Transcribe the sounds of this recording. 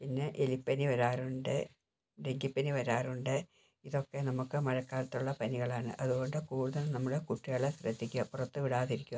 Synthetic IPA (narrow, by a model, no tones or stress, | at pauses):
pinːe̞ʔelipːɐniʋɐɾaːruɳɖɨ | ɖeŋɡipːɐniʋɐɾaːruɳɖɨ | iðo̞kːe̞nɐmukːɨmɐɻɐkːaːɾɐt̪ːuɭːɐpɐniɣɐɭaːɳɨ̰ʔɐðuɣo̞ɳɖɨkuːɽuðɐlnɐmːuɽekuʈːiɣɐɭesrɐd̪ʱːikʲːuɐpurɐt̪ːɨʋiɽaːðiɾikʲːu